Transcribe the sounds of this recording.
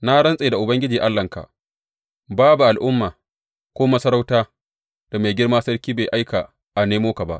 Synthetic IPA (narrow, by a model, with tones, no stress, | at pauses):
na˦ɽɐ˦nsʼeː˨da˨ʔʊ˨bɐ˦ŋɡʲɪ˦d͡ʒiː˨ʔa˦lːɐ˨ŋka̰˨ʔ | baː˦bu˨ʔa˨lʔʊ˦mːaː˨ | kʷoː˦mɐ˦sɐ˦ɾa˦wtaː˦ | d̥a˨me˨ɡʲɪ˦ɽmaː˦sɐ˦ɽkʲiː˦be˨jʔa˦jka˨ | ʔa˨neː˦moː˦ka˨ba̰˦ʔ